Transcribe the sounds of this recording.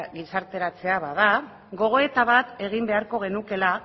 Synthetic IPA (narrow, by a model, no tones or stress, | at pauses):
ɣisaɾt̪e̞ɾat͡se̞aβað̞a | ɣo̞ɣ̞o̞e̞t̪aβ̞at̪e̞ɣimbe̞aɾko̞ɣ̞e̞nuke̞la